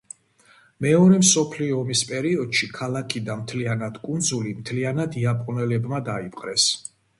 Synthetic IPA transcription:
mɛɔɾɛmsɔpʰliɔːmispʼɛɾiɔd̪̥ʃikʰalˠakʰid̪amt̪ʰlianad̪̥kʼund̪zulimt̪ʰlianad̪iapʼqʼunɛlɛbmad̪aipʼqʼɾɛs

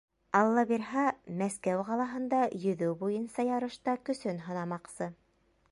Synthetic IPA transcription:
ɑlˠːɑbiɾhɑmæskæwʁɑlˠɑɦɤ̆nd̪ɑjɵ̆ðɵwbujɤnsɑjɑɾɤ̆ʃt̪ɑkɵ̆sɵnɦɤ̆nɑmɑqsɤ

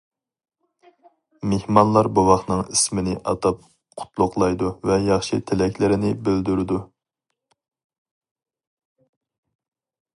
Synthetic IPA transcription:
mehmɑnlˠɑɾbuwɑχt̪nɨŋismɪnɪʔɑ̰t̪ʰɑp̚ | qʰʊ̥t̪ʰlˠʊqlˠɑjd̪uvɛjɑχʃit̪ʰelɛkʲlɪɾɪnɪbøld̪yɾɪd̪u

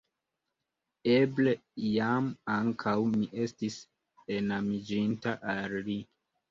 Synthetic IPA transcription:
e̞blejamaŋkʰawmiʔe̞stis | e̞namid͡ʒintaʔalːi

